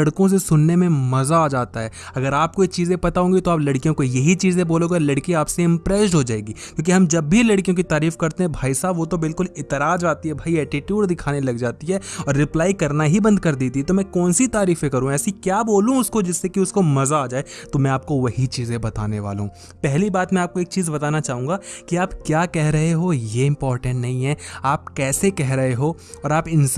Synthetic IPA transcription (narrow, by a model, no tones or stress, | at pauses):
ɐɽkõs̬esʊnːemẽmɐzaaːd͡ʒaːt̪aɦɛːɐɡəɾaːp̚koekt͡ʃiːzẽpɐt̪aɦõːɡit̪oaːplɐɽkijõkojɐɦit͡ʃiːzẽboːloːɡaːlɐɽkiaːpseɪ̃mpɾɛːsʈɦod͡ʒaːeːɡiːkjõːk̬iɦɐmd͡ʒɐbːʱilɐɽkijõk̬it̪aːɾiːfkɐɾt̪eɦɛ̃bʱaːisaːbʋot̪obɪlkʊlɪt̪ɪɾaːd͡ʒaːt̪iɦɛbʱaːiɛːʈɪʈjuːɖd̪ɪkʰaːnelɐɡd͡ʒaːt̪iɦɛɔːɾːɪplaːikɐɾnaɦibɐ̃nd̪̚kɐɾd̪iːt̪iɦɛt̪omɛ̃kɔːnsit̪aːɾiːfẽkɐɾũɛːsikjaːboːlũʊskod͡ʒɪsːekiʊskomɐzaːd͡ʒaːet̪omɛ̃aːp̚koʋɐɦit͡ʃiːzẽbɐt̪aːneʋa̰ːlɦṵ̃ | pɛɦlibaːt̪mɛ̃aːp̚koeːk̚t͡ʃiːzbɐt̪aːnat͡ʃaːɦũːŋɡakiaːpkjaːkɛɦɾɐɦeɦoːjeɪ̃mpɔːɾʈə̃ɳʈnɐɦĩɦɛ̃ːaːp̚kɛːsekɛɦɾɐɦeɦo | ɔːɾaːpɪn